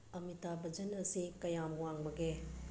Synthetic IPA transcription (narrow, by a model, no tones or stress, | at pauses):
ɐmitabɐd͡ʒɐnɐsikɐjamwaŋbɐɡe